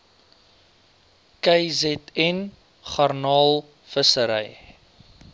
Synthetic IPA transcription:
kɛjzɛtɛn | χɑrnɑːlˠ | fəsəɾɛ̰j

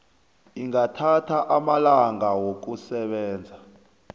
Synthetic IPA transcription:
iŋatʰatʰaʔamalaŋɡawok̬usɛɓɛːnd͡zʱa

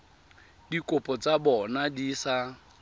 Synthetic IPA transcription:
dikʼopʼɔt͡sʼabɔnadisa

